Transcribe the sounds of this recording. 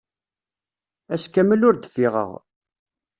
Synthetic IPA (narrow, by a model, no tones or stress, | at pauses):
æskæməlʊɾd̪fiʁə̰ʁ